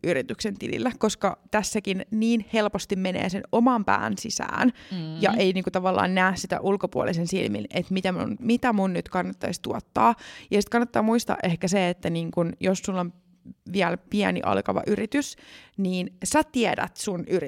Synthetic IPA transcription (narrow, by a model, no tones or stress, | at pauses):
ʔyrit̪yksent̪ilḭlːækoskɑt̪æsːækinniːnhelpost̪immenḛːsenomɑmpæ̰ːnsisæ̰ːnjɑ̰ʔeiniːŋkut̪ɑʋɑlːɑ̰ːnnæːssit̪æ̰ʔulkopuo̰lisensḭlmḭnʔet̪mit̪æmṵnmit̪æmunnyt̪kɑnːɑt̪ːɑist̪uot̪ːɑːjɑsit̪̚kɑnːɑt̪ːɑːmuist̪ɑ̰ʔehkæseet̪ːæniːŋkunjossulːon | ʋiælpiænḭʔɑ̰lkɑʋɑ̰ʔyrit̪ysniːnsæt̪iædæ̰t̪sunʔyri